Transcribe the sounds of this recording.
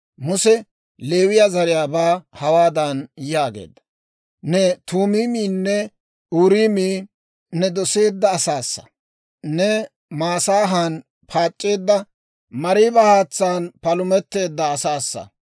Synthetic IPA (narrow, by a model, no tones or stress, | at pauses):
mʊsɛ | le̞ːwɪjazɐɾɪjaːbaːhɐwaːd̪ɐnjaːɡḛːd̪ːɐ̥ | nɛt̪uːmiːmiːnːɛ | uːɾiːmiː | nɛd̪ɔse̞ːd̪ːɐːsaːsːɐ̥̰ | nɛ | maːsaːɦan | pʰaːt͡ʃʼːe̞ːd̪ːɐ | mɐɾiːbɐhaːt͡sːaːnpɐlʊmɛt̪ːe̞ːd̪ːɐːsaːsːɐ̰